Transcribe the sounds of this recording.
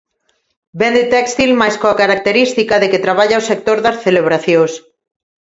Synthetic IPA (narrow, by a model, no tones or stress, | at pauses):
bend̪et̪ɛkst̪ilmajskoakaɾak̚t̪eɾist̪ikaðekɪt̪ɾaβaʎaosek̚t̪oɾðɐsθeleβɾaθjos